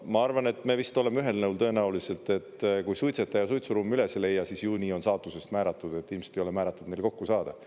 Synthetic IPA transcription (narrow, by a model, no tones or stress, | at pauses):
mɑɑrvɑne̞t̪ːme̞ːvist̪o̞le̞meyɦe̞lnɤuwlt̪ɤ̞e̞næulise̞lt̪e̞t̪ːˑkujsujt̪se̞t̪ːˑɑjɑsujt̪suɾumːyle̞sele̞jːɑsisjuːnʲio̞nsɑːt̪ːˑuse̞st̪mæːɾɑt̪ːˑud̪̥e̞t̪ːˑilmse̥t̪ejole̞mæːɾɑt̪ːˑud̪̥ne̞jlko̞kːusɑːd̪̥ɑ